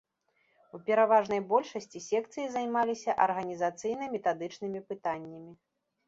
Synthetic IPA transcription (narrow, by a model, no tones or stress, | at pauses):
upʲɛɾavaʐn̪ɐjbɔlʲʂɐsʲt͡sʲisʲɛk̚t̪sɨjizajmalʲisʲɐʔɐrɣɐnʲizat̪sɨjn̪ɐmʲɛt̪ad̪ɨt͡ʂnɨmʲipɨt̪anʲːɐmʲi